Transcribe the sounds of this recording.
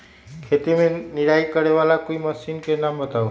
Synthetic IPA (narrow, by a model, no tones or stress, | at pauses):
kʰet̪imeniɾajkəɾeʋalakoiməsinkenambət̪au